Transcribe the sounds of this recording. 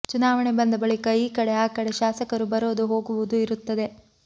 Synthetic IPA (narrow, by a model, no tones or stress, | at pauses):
t͡ʃunaːʋɐɳebɐnd̪ɐbɐɭikɐiːkɐɽeaːkɐɽeʃaːsɐkɐɾubɐɾoːd̪uɦo̞ːɡuʋud̪uiɾut̪ːɐd̪e̞